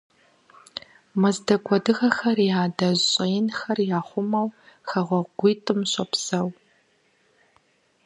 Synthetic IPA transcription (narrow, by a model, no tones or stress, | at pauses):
mɐzdɐɡʷʼɔdɨʁɐxɐrjaːdɐʑɕʼɐjɪnxɐrjaːχʷʊmɐwxɐʁʷɔɡʷiːtʼɨmɕʼɐpsɐw